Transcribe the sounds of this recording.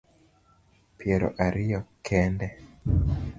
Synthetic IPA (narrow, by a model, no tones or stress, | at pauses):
piɛɾɔ̰ʔaɾiɔkʰɛndɛ